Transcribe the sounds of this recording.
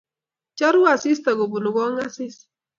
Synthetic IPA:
t͡ʃɔ˦ɾu˦a˨sɪ˦st̪a˨ɡo˨bu˨nu˨ɡɔ˦ŋa˦sɪ˦s

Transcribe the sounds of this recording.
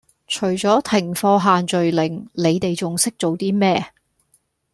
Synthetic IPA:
t͡ʃʰɵ˨˩ɥt͡sɔː˨˥t̪ʰɪ˨˩ŋfɔː˧ɦaː˨nt͡ʃɵ˨ɥlɪ˨˩ŋle˨˧jt̪e˨jt͡sʊ˨ŋsɪ˥k̚t͡so˨wt̪iː˥mɛː˥

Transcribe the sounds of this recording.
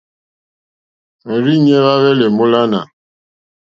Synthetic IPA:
n̩˨ɾi˦ɲɛ˦βa˦βɛ˦le˨mo˦la˦na˨

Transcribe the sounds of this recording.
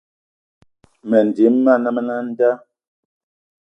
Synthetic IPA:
mɛ˨n̩˨di˨˦mː˦a˦˨na˦mɛ˦na˦n̩˦da˦

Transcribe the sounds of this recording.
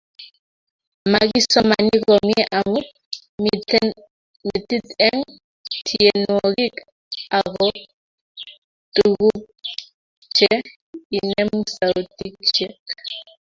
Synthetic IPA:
maɣi˦sɔ˦ma˨ni˦ɣɔ˨miʔa˨ŋu˦ | m | mi˨ti˦t̪ɛ˦ŋ | tʰiɛnɔɣi˦k | a˨ɣɔ | tʼu˨ɣu | t͡ʃɛ | i˨nɛ˦musautikt͡ʃɛk

